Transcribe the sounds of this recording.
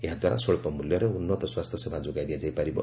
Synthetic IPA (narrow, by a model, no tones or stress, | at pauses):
eɦãd̪waɾa̰soɭpɔmuljɔɾeunːɔt̪ɔswast̪ʰjɔsebʱad͡ʒoɡajd̪ijad͡ʒajpaɾibɔ̰